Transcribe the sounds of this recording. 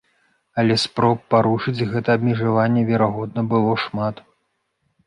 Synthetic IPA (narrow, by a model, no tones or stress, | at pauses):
ɐlʲɛspɾɔpːaɾuʂɨd͡zʲɣɛt̪ɐɐbʲmʲɛʐavanʲːɛvʲɛɾaɣɔd̪̚nɐbɨlˠɔʂmat̪